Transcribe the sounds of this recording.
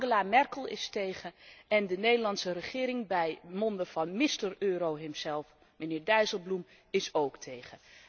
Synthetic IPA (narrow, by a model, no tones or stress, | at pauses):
ŋɡəlamɛrkəlˠɪ̰stejχəɛndənejdəɹlɑntsərəχɪːɾɪŋbɛjmɔndəv̥ɑnmɪstərøːɾowɦɪmzɛlˠf | mənɪːɹdɛɥzəlˠblum | ɪsowktʰejχə